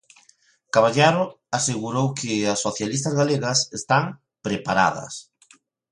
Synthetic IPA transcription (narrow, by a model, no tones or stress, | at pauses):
kaβaʎaɾo | aseɣuɾowkʰɪasːoθjalist̪ɐzɣaleɣɐsest̪aŋ | pɾepaɾa̰ð̞ɐ̰s